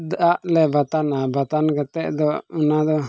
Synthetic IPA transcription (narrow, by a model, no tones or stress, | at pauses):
d̪aʔlɛbat̪anabat̪ankat̪ɛʔd̪ɔunad̪ɔ